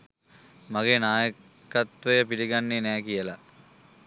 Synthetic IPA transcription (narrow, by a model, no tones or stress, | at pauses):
maɡeːnaːjə | kɐt̪ʋəjəpiliɡanːenæːkijəla